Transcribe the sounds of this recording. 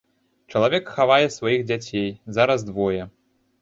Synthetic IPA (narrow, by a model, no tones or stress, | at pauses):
t͡ʂɐlˠavʲɛkxavajɛsvajiɣd͡zʲat͡sʲejzaɾɐzd̪vɔjɛ